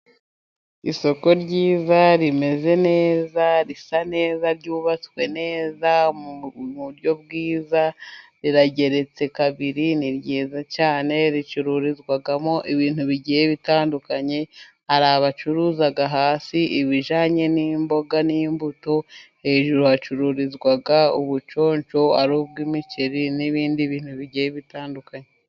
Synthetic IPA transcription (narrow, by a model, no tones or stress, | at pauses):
ḭso̞ko̞ɾɟiːzaɾime̞ze̞ne̞ːzaɾisane̞ːzaɾɟuːβat͡swe̞ne̞ːzamuɾjo̞bɡiːzaɾiɾaɟe̞ɾe̞t͡se̞kaβiɾiniɾɟeːzacaːne̞ɾit͡ʃuɾuɾizɡwaɡamo̞ʔiβiːn̥huβiɟijeβitaːndukaɲe̞ | aɾaβat͡ʃuɾuːzaɡaɦaːsiʔiβiʒaːɲe̞nimbo̞ɡanimbuto̞he̞ːʒuɾohat͡ʃuɾuɾizɡwaɡauβut͡ʃo̞ːɲt͡ʃo̞aɾuːb̚ɡimit͡ʃeɾiniβiːndiβiːn̥huβiɟijeβitaːndukaɲe